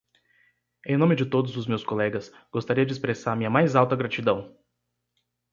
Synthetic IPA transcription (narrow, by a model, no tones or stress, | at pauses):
ẽj̃nõmɪd͡ʒɪt̪od̪ʊzʊzmewskolɛɡɐs | ɡ̥ost̪aɾiɐd͡ʒɪspɾesaɾɐmĩɲɐmajzawt̪ɐɡɾat͡ʃid̪ɐ̃w̃